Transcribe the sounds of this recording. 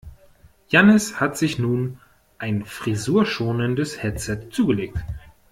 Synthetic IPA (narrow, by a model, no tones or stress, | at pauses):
janəshatz̥ɪçnuːn | ʔaɪnfʁ̥izuːɐʃoːnəndəshɛt͡sɛtt͡suːɡəleːk̚t